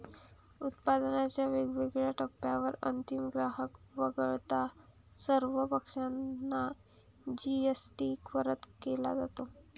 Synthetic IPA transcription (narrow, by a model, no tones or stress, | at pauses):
ut̪̚pad̪ənat͡ɕjaʋeɡʋeɡɭjaʈʰəpːjaʋəɾə̰nt̪imɡɾaɦəkʋəɡəɭt̪a | səɾʋəpəkʂanːa | d͡ʑiesʈikʋəɾət̪kela̰d͡zat̪o